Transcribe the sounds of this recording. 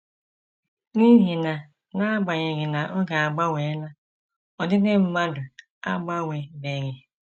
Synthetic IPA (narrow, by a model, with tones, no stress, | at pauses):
ni˦ɦi˨na˨ | na˦a˦ɡ͡ba˨ɲe˨ɣɪ˨na˨ʔo˦ɡa˨a˨ɡ͡ba˦we˨˦la˦ | ɔ˨dɪ˦ne˦m̩˦ma˦dʊ˨ | a̰˦ɡ͡ba˦we˨ne˨ɣɪ˦